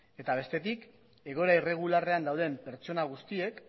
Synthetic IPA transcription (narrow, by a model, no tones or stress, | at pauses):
e̞t̪aβ̞e̞st̪e̞t̪ik | e̞ɣ̞o̞ɾaire̞ɣ̞ulare̞and̪awðe̞mpe̞ɾt͡ʃo̞naɣ̞ust̪ie̞k